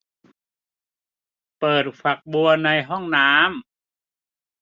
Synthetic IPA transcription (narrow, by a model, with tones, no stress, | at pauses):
pɤː˨˩t̪̚kʰa˨˩k̚bu˧ɐna˧jɦɔ˥˩ŋnaː˦˥m